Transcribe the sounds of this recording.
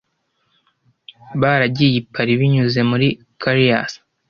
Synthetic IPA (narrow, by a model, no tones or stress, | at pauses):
βaɾaɟijipʰaɾiβiɲuze̞muɾi | kʰaɾia̰s